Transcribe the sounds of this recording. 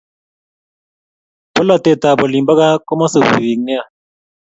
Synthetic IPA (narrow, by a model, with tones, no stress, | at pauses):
pɔ˦la˨t̪ɛ˨t̪a˨bɔ˨li˨mba˦ka˦kɔ˦ma˦su˨pi˨wi˨ŋnɛ˦a˦˨